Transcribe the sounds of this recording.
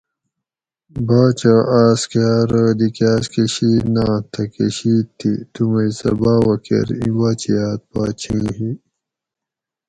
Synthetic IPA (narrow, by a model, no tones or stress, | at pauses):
baːt͡ɕaʔaːskaːɾəd̪ikaːskeɕiːnaːt̪ʰɐkeɕiːt̪ʰːit̪umɐisɐ̰baːwɐkḛɾḭ̃waːt͡ɕijaːt̪̚baːt͡ɕʰĩːɦi